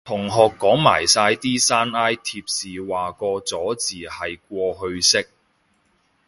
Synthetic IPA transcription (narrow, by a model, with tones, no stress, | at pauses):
t̪ʰʊ˨˩ŋɦɔː˨kːɔː˨˥ŋma̰ː˨˩jsaː˧jt̪iː˥saː˥naː˥jt̪ʰiː˧p̚siː˨waː˨kɔː˧t͡sɔː˨˥t͡siː˨˩hɐ˨jk̚ʷɔː˧ɦɵ˧ɥsɪ˥k̚